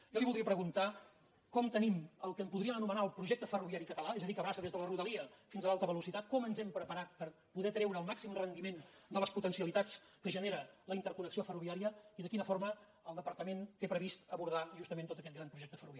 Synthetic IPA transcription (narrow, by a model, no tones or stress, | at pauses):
jɔliβuld̪ɾiəpɾəɣunt̪a | kɔmt̪əniməlˠkəmpuðɾiəmənumənaəlˠpɾuʒɛk̚t̪əfəruβiaɾikət̪əlaɛzəðikəβɾasəðezðələruðəliəfinzəlalˠt̪əβəlusit̪at̪̚kɔmənzɛmpɾəpəɾat̪̚pəɾ | puðɛt̪ɾɛwɾəːlˠmaksimrənd̪imend̪ələsput̪ənsiəlit̪at͡s | kəʒəneɾələint̪əɾkunəksiofəruβiaɾiəiðəkinəfoɾmə | əlˠd̪əpəɾt̪əment̪epɾəβist̪əβuɾð̞aʒust̪əmẽnt̪ot̪əkɛt̪ɡɣɾanpɾuʒɛk̚t̪əfəruβaɾi